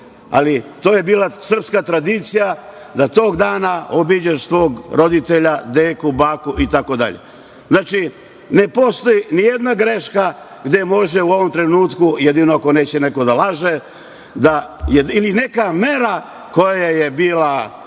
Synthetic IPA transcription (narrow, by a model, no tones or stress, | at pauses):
a̰lit̪o̞ːje̞biːlasr̩pskat̪ɾad̪it̪sija | d̪at̪o̞ːɡd̪aːnaobid͡ʑaʃsʋo̞ːɡɾo̞d̪it̪eʎad̪eːkubaːkuʔit̪ako̞d̪a̰ʎḛ | znaːt͡ʃi | ne̞po̞st̪o̞jinijed̪naɡɾe̞ʃka | ɡd̪e̞mo̞ʒeuo̞ʋo̞mt̪ɾe̞nuːt̪kujed̪inoako̞ne̞ːt͡ɕeneko̞d̪alaʒe | d̪ajeiline̞kame̞ɾa | ko̞jajaje̞biːla